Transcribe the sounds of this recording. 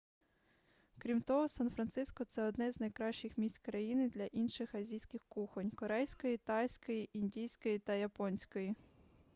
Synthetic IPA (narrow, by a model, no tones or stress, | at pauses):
kɾʲimt̪ɔɦɔsanfɾɐnt̪sɪskɔt̪sɛɔd̪nɛzʲnɐjkɾɑʃt͡ʃɪxmʲisʲtʲkɾɐjinɪd̪lʲɐʔinʃɪxɐzʲijsʲkɪxkuxɔnʲkɔɾɛjsʲkɔjit̪ɑjsʲkɔjiʔinʲdʲijsʲkɔjit̪ɐjɐpɔnʲsʲkɔji